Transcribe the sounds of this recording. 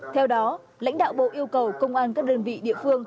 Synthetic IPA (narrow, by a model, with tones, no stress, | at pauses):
t̪ʰɛ˧wɗɔ˨˦ | la̰˧˥jŋ̟ɗa̰ː˧˨wɓo̰˧˨ʔi˧əwkə˨˩wkə˧wŋ͡mʔaː˧nkaː˦˥k̚ɗəː˧nvḭ˧˨ɗḭ˧˨əfɨ˧əŋ